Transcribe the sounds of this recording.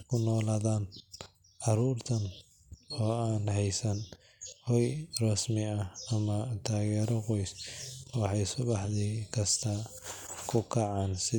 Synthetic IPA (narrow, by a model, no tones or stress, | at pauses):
kʰʊnɔːlaːðaːn | ʕɑɾuːrt̪ʰɐn | ɔːaːnɦɛjsɐn | hɔjrɐsmɪɐɐmɐt̪ʰaːɣɛːɾɔqɔjswɑħɑjsʊβɑħðiːkʰɐst̪ʰɐkʰʊkʰɐʕaːnsɪ